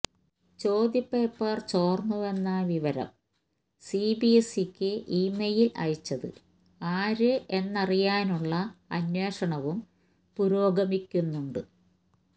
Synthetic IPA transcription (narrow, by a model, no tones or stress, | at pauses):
t͡ɕo̞ːd̪jɐpːe̞ːpːɐrt͡ɕo̞ːrnːuʋe̞nːaːʋiʋɐɾɐ̰m | sibiesikʲːɨʔiːmejilɐ̰jit͡ɕːɐðɨ̰ | aːɾɨʔe̞nːɐrijaːnuɭːɐɐ̰nwe̞ːʂɐɳɐʋum | puɾo̞ːɡɐmikʲːunːuɳɖɨ